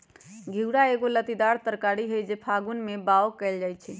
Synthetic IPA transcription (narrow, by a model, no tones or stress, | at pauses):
ɡʱiwɽaeɡolət̪id̪aɾt̪əɾkaɽiɦojd͡ʒepʰaɡunmebaokɛld͡ʒajt͡ʃʰɛ